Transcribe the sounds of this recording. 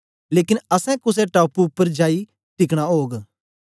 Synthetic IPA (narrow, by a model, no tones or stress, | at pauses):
leːkɪnəsɛ̃kʊseʈaːpuʊpːəɾd͡ʒaːi | ʈɪkɽ̃aːɦoːɡ